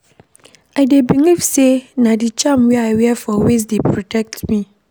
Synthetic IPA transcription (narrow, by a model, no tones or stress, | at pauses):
aɪdebiŋifsenãdit͡ʃʰãmwɛaɪwɛfɔwes̬depʰɹɔtʰɛk̚tmĩ